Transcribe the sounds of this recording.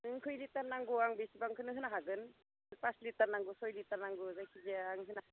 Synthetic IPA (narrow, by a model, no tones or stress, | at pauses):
ɯkʰɯjlitaɾnaŋɡɔaŋbesibaŋkʰɯnɯɦɯnaɦaɡɯn | ɯpaslitaɾnaŋɡusɔjlitaɾnaŋɡɔzajkʰizeaŋɦɯna